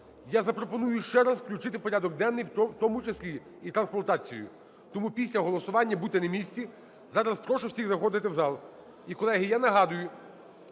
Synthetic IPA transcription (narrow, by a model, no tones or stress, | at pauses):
jazɐpɾɔpɔnujʊʃt͡ʃɛɾɑzwklʲʊt͡ʃɪt̪ɪpɔɾʲad̪ɔɡ̚d̪ɛnːɪjwt̪ɔmʊt͡ʃeslʲi | it̪ɾɐnsplɐt̪ɑt͡sʲij̰jʊ̰ | t̪ɔmupʲisʲlʲɐɦɔlˠɔsʊʋɑnʲːɐbut̪ɛnɐmʲisʲtʲi | zɑɾɐspɾɔʃʊwsʲiɣzɐxɔd̪ɪt̪ɪwzɑlˠ | ikɔlˠɛɦɪjanɐɦɑd̪ʊjʊ